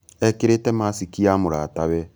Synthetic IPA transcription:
ɛkɪɾetɛmasikiamʊɾa̰taβɛ

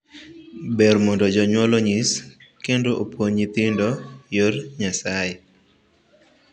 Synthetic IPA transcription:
bɛrmɔndɔd͡ʒɔɲwɔloɲiskendoʔopwoɲit̪ɪndojorɲasajɛ

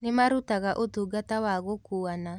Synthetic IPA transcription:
nemaɾutaɣaʔot̪uɡatawaɣokuana

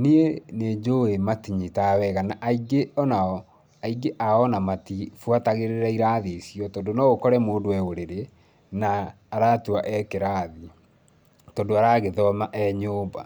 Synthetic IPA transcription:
niened͡ʒoematiɲitawɛɣanaʔaiɡeɔnaɔ | aiɡeʔaɔnamatifwataɣeɾeɾaiɾaðesiɔtɔːndonɔɣokɔɾɛmoːndowɛoɾeɾe | naː | ɾatuaʔɛkeɾaːði | tɔndoaɾaːɣeðɔmaʔɛɲoːba

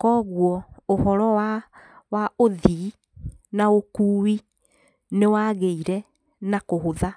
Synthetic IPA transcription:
kɔɣwɔohɔɾɔwawaoði | naokuːwi | newaːɣeiɾɛ | nakoɦoða

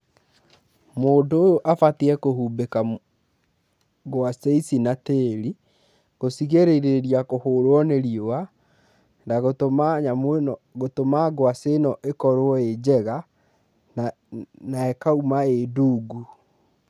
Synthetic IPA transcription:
moːndoojoʔafatiɛkoɦubeka | ɣwaseisinateɾi | ɣosiɣeɾeɾeɾiakohoːɾwɔneɾiowa | ndaɣotomaɲameɣotomaɡwasenɔʔekɔɾwɔed͡ʑɛɣa | naɛkaumaeduːɡu

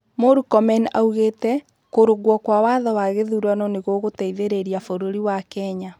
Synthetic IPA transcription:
moɾukɔmɛna̰uɣeːtɛ | koɾoɣwɔkwawaðɔwaɣeðuɾwanɔneɣoɣotɛiðeɾeɾiafoɾoɾiwakɛɲa

